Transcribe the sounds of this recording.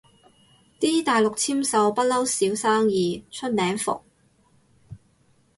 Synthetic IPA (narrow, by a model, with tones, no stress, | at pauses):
t̪iː˥t̪aː˨jlʊ˨k̚t͡sʰiː˥msɐ˨˧wpɐ˥t̚lɐ˥wsiː˨˥wsaː˥ŋjiː˨t͡ʃʰɵ˥t̚nɛː˨˥ŋfʊ̰˨k̚